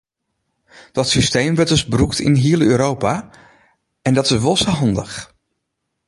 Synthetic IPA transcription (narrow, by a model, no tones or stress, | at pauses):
d̥ɑtsistejmʋɛtdɵzbruktʰɪ̰nɦiələøːɾowpaː | ɛndɑtɪʋɔsəɦɑndəχ